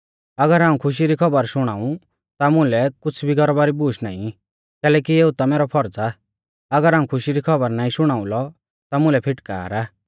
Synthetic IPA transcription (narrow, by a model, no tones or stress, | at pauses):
ɐɡəɾaːũkʰʊʃ̬iɾikʰɔbəɾʃʊɽ̃aːũ | t̪amʊ̃lɛkʊt͡sʰbʱiɡɔɾɔbaːɾibuːʃʰna̰ːḭ̃ | kɛːlɛːkieːut̪amɛːɾɔpʰɔɾd͡za | ɐɡəɾaːũkʰʊʃiɾikʰɔbəɾnaːĩʃʊɽ̃aːũlɔ | t̪amʊ̃lɛpʰɪʈka̰ːɾa